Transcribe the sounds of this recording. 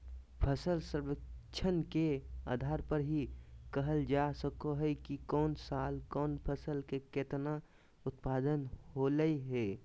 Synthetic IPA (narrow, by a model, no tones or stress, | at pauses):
pʰəsəlsəɾʋək̚t͡ʃʰənkea̰ːd̪ʱaːɾpəɾɦikəɦəld͡ʒaːsəkoɦɛkikɔːnsaːlkɔːnpʰəsəlkekeːt̪na | ʊt̪paːd̪ənɦoːləiɦɛː